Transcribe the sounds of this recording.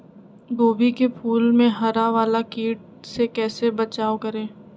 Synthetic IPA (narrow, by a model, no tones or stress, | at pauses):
ɡoːbikepʰuːlmẽɦɐɾaʋaːlakiːʈ̚ | sekɛːsebɐt͡ʃaːokɐɾẽː